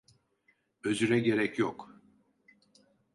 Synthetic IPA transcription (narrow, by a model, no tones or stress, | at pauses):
ø̞zyɾɛɟe̞ɾɛcjok